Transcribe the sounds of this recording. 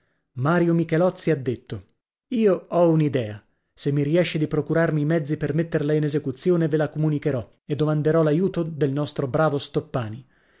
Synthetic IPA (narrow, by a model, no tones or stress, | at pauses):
maːɾjomikelɔt̪sːiad̪ːet̪ːo | iːoɔunid̪ɛːa | semːiɾiɛʃːed̪ipɾokuɾarmiːmɛd̪zːipermet̪ːerlainezekut̪sːjoːnevelakomunikeɾɔ | ed̪ːomand̪eɾɔlajuːt̪od̪elnɔst̪ɾobɾaːvost̪opːaːni